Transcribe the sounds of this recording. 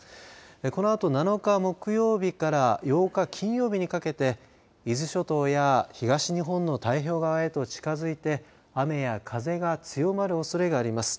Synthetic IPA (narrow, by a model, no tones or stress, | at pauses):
eko̞no̞at̪o̞nano̞kamo̞kɯ̟jo̞ːbʲikaɾajo̞ːkakʲʰĩɰ̃jo̞ːbʲiɲ̟ikake̞t̪e̞ | izɨɕo̞t̪o̞jaçiɡaɕiɲ̟iɦõ̞nːo̞t̪aiço̞ːɡaβae̞t̪o̞t͡ɕi̥kazɨit̪e̞ | ame̞jakʰaze̞ɡat͡sɨjo̞maɾɯ̟osoɾe̞ɡaːɾʲimasɨ̥